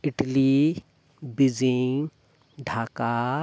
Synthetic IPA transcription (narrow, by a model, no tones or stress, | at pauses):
ɪʈli | bid͡ʒiŋ | ɖʱaːka